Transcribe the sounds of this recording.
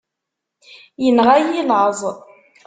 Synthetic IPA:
jənʁajiləzˤ

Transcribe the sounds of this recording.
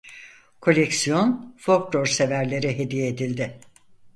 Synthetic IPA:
kʰo̞lʲɛksijo̞nfokloɾse̞væɾlʲe̞ɾɪɦe̞d̪ijeːd̪ilʲd̪ɪ

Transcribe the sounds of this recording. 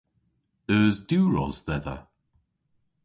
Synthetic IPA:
əːzduːɹɔ̰z̥ðɛðə̰

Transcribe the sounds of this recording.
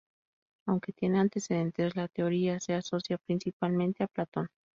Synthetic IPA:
awŋke̞t̪je̞neant̪e̞seðe̞nt̪e̞zlat̪eo̞ɾiase̞aso̞sjapɾinsipalmẽnt̪eaplat̪o̞n

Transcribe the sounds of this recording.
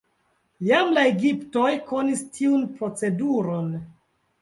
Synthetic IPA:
jamlaeɡipto̞jkʰo̞nistʰiunpɾo̞t͡se̞duɾo̞n

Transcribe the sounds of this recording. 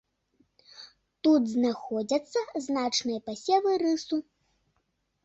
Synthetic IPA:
t̪ut̪znaxɔd͡zʲɐt̪sːɐznat͡ʂnɨjɐpasʲɛvɨɾɨsu

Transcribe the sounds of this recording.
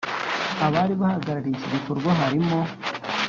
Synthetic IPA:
aβaːɾiβahaɡaɾaɾiciɡikoɾɡwaɦaɾimo

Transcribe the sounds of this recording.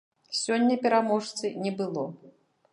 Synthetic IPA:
sʲɔnʲːɐpʲɛɾamɔʂt̪sɨnʲɛbɨlˠɔ

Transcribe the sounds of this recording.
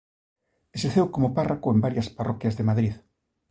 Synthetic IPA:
eseθewkomoparakoembaɾjɐsparɔkjɐzðemaðɾið

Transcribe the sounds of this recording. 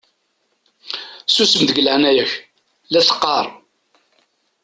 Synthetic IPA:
susəmðəɡləʕnæjæç | læsə̥qːɑɾˤ

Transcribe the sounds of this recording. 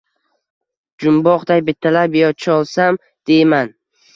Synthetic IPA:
d͡ʒʊmbɒqd̪ajbɪt̪ʰːalabjɒt͡ʃʰɒlˠsam | d̪̥e̞jman

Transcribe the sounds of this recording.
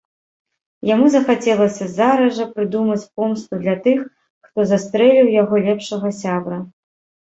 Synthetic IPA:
jamuzɐxat͡sʲɛlˠɐsʲɐzaɾɐʐɐpɾɨd̪umɐt͡sʲp̚ɔmst̪ud̪lʲɐt̪ɨx | xt̪ɔzast̪ɾɛlʲiwjaɣɔlʲɛpʂɐɣɐsʲabɾɐ

